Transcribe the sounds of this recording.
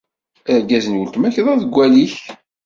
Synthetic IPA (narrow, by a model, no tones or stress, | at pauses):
əɾɡæzənwəlt̪mæçðˤɑðəɡʷːæliç